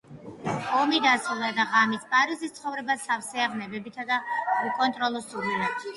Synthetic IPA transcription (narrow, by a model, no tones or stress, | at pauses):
ɔmid̪asulˠad̪aʁamispʼaɾizist̪sʰχɔvɾɛbasafsɛaʁnɛbɛbit̪ʰad̪aukʼɔnt̪ʼɾɔlˠɔsuɾila